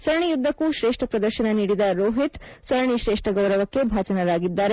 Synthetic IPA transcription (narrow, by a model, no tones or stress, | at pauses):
sɐɾɳijud̪ʱːɐkuːʃɾeːʂʈʰɐpɾɐd̪ɐɾʃɐnɐniːɽid̪ɐɾoːɦit̪sɐɾɳiʃɾeːʂʈʰɐɡɐwɾɐʋɐkːebʱaːt͡ʃɐnɐɾaːɡid̪ːaːɾe